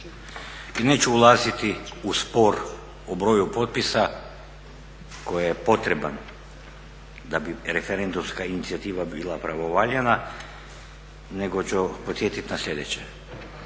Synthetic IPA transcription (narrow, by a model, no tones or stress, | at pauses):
inet͡ɕuulˠaːzit̪iuspoɾ | obɾo̞ːjupot̪̚pisa | kojijepo̞t̪ɾeban | d̪abiɾefeɾend̪umskainit̪siat̪iːʋabilˠapɾaʋoʋaːʎena | neɡot͡ɕupot̪sjet̪it̪naslʲʎʲe̞d̪et͡ɕe